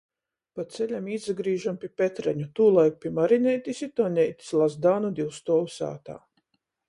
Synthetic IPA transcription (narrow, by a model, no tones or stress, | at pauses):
pat̪selʲamiːzaɡɾiːʒampʲiɛpʲet̪ɾɛ̰ɲut̪uːlˠaj̚pʲiɛmaɾinʲɛjt̪ʲisit̪ɔnʲɛjt̪ʲi̥slˠazd̪aːnud̪iwst̪ɔːwusa̰ːt̪a̰ː